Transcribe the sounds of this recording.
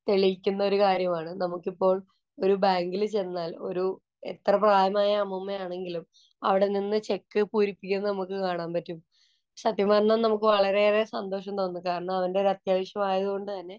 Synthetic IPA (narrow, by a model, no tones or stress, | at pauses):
t̪e̞ɭikʲːunːɐo̞ɾukaːɾjɐmaːɳɨnɐmukːipːo̞ːɭ | o̞ɾubaːŋɡilt͡ɕe̞nːaːlo̞̰ɾu | et̪rɐpraːjɐmaːjɐːmumːɐjaːɳe̞ŋɡilum | ɐ̰ʋiɽe̞ninːɨt͡ɕe̞kːɨpuːɾipːikʲːunːɐnɐmukːɨkaːɳaːmpɐtːum | ɕɐt̪ːjimaːɾnɐːnɐmuk̬ːɨʋɐɭɐɾe̞resɐnd̪o̞ːʂɐmt̪o̞ːnːɨkaːɾɐɳɐmɐʋɐnde̞ɾɐt̪jaːʋɐɕjɐmaːjɐðuko̞ɳɖɨt̪ɐnːe̞